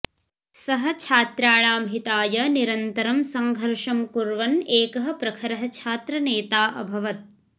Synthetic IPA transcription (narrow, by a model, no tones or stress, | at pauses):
sɐɦɐ̆t͡ʃʰaːt̪ɾaːɭaːmɦit̪aːjɐniɾɐnt̪ɐɾɐmsɐŋɡʱɐɾʂɐmkuɾʋɐneːkɐɦɐ̆pɾɐkʰɐɾɐɦɐt͡ʃʰaːt̪ɾɐneːt̪aːʔɐ̰bʱɐʋɐt̪̚